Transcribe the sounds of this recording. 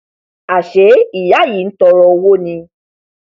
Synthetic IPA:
a˨ʃe˨˦i˨ja˨˦ji˨˦n̩˦tɔ˧ɾɔ˧wo˦nĩ˧

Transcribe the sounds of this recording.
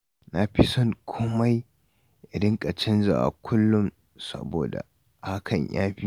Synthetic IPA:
na˨ɸi˦sɔ˦ŋkʷʰoː˦ma˦j | ʔɪ˨dɪ˦ŋkʼɐ˨t͡ʃɪ˦nza̰˨ʔa̰˨kʷʰʊ˦lːʊ˦m | sɐ̰˦boː˨da̰˨ | ha˦kʰɐ˨ɲjaː˦ɸi˦

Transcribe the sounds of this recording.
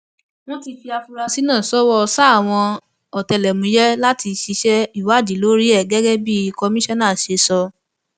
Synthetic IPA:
w̃ɔ̃˦ti˧fi˧a˧fu˧ɾa˧si˦nãː˦˨sɔ˨˦wɔ˧sa˦˨w̃ɔ̃˧ | ɔ˨tɛ˧˨lɛ˨mũ˨˦jɛ˦la˦ti˧ʃi˧ʃɛ˦i˦˨wa˨˦˨d͡ʒi˨˦lo˦ɾi˦ɛ˦˨ɡɛ˦ɡɛ˦bi˦˧kɔ˧mĩ˦ʃɔ˦nã˦˨ʃe˧sɔ˧

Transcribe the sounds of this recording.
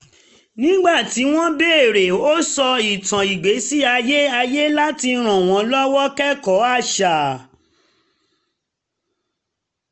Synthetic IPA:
nĩ˦ɡ͡ba˦˨ti˨˦w̃ɔ̃˦be˦e˦˨ɾe˨o˦sɔ˧i˨tã˨i˨ɡ͡be˨˦si˦a˧je˦a˧je˦la˦ti˧ɾ̃ã˨w̃ɔ̃˨˦lɔ˦wɔ˦kɛ˦kɔ˨˦a˦˨ʃa˨

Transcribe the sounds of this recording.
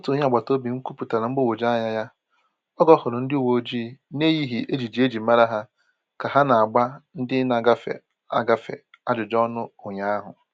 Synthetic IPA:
ʊ˦tu˨˦ɲ˦˨ɡ͡ba˨to˦bi˨ŋ̩˦ku˦pu˨ta˨la˨ŋ͡m̩˦ɡ͡bʊ˦˨wo˨d͡ʒa˦ɲa˦ja˦ | ɔ˦ɡɔ˦hʊ˨ɾʊ˨˦n̩˦dɪ˦u˦wo˨˦d͡ʒi˦˨ne˦ji˦ɦi˨ʔe˦d͡ʒi˨d͡ʒi˨˦e˦d͡ʒi˨˦ma˦ɾa˦ɦa˦ | ka˨ɦa˦na˨a˨ɡ͡ba˦n̩˦dɪ˦na˨ɡa˦fḛ˨ | a˦ɡa˦fḛ˨ | a˦d͡ʒʊ˨d͡ʒɔ˦nʊ˦ʊ˨ɲa˦a˦ɦʊ̰˨

